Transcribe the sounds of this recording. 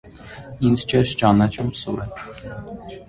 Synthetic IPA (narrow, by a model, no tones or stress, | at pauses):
inzt͡ʃʰɛʃt͡ʃɑnɑt͡ʃʰumsuɾɛ